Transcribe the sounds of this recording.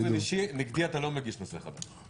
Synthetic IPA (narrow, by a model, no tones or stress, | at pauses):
veiʃiniɡd̪iat̪alomeɡiʃmaseχa̰d̪aʃ